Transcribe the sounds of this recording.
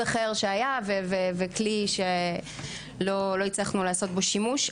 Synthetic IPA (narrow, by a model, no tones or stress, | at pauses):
aχeʁʃeajavevevekliʃe | lolo̞it͡slaχnulaːso̞t̪̚bo̞ʃimuʃ